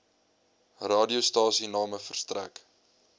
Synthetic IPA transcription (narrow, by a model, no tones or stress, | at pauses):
rɑːdiustɑːsinɑːməfərstræ̰k